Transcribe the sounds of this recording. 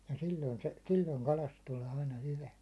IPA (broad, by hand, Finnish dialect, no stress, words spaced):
jɑ silʲːoin se silʲːoiŋ kɑlɑst tuleː ɑinɑ hyʋæ